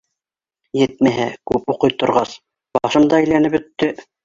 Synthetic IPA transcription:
jɘt̪̚mæɦækʉpuqɤjt̪ŏɾʁɑs | b̥ɑɑʃɤ̆md̪ɑæjlænɘpɵ̆t̪ːɵ

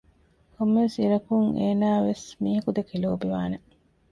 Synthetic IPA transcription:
komːʋesiɾɐkuŋeːnaːʋesmiːɦɐkud̪ekiloːbiʋaːne

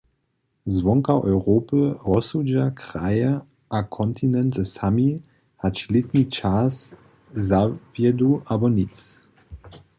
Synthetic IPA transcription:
zvɔŋkaʔɔjʁoːpəʁɔsud͡ʒakʁ̥ajə | ʔakʰɔnt̪ʰinɛntəsami | hat͡ʃlit̪nit͡ʃas | zavjɛduʔabɔnit͡s

